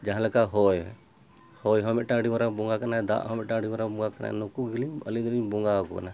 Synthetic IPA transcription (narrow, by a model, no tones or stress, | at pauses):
d͡ʒaɦãlɛkaʔɦɔj | hɔjɦɔmɛʔʈaɽimaɾabɔŋɡakanad̪a̰ʔɦɔ̃mɛʔʈãɽimaɾabɔŋɡakana̰nɔkuɡiliɲə̰lid̪ɔliɲbɔŋɡakɔ̰ka̰na